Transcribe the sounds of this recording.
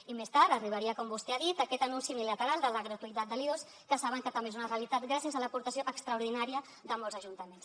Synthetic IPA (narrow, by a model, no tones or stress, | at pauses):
imest̪aɾt̪əriβ̞əɾiəkɔmbust̪eaðit̪əkɛt̪ənunsimilət̪əɾalˠd̪ələɣɾət̪uit̪at̪d̪əlios | kəsaβəŋkət̪əmbezunəreəlit̪at̪̚ɡɾasjəzaləpuɾt̪əsjoʔəkst̪ɾɐuɾð̞inaɾiə | ðəmɔlzəʒunt̪əmens